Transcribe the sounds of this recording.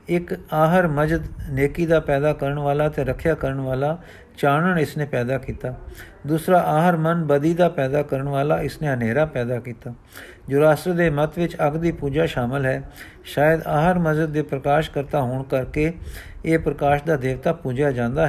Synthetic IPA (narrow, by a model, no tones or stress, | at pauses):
ɪkaːɦəɾməzəd̪neːkiːd̪aːpɛːd̪aːkəɾəɳʋaːlaːt̪eːɾəkʰjaːkəɾəɳʋaːlaː | t͡ʃaːɳəɳɪsneːpɛːd̪aːkiːt̪aː | d̪uːsɾaːʔaːɦəɾmənbəd̪iːd̪aːpɛːd̪aːkəɾəɳʋaːlaːɪsneːɦəneːɾaːpɛːd̪aːkiːt̪aː | d͡ʒoːɾaːst̪ɾəd̪eːmət̪ʋɪt͡ʃəɡd̪iːpuːd͡ʒaːʃaːməlɦɛː | ʃaːjəd̪aːəɾməd͡ʒəd̪ːeːpɾəkaːʃkəɾt̪aːɦoːɳkəɾkeːeːpɾəkaːʃd̪aːd̪eːʋt̪aːpuːd͡ʒaːd͡ʒãːnd̪aːɦɛ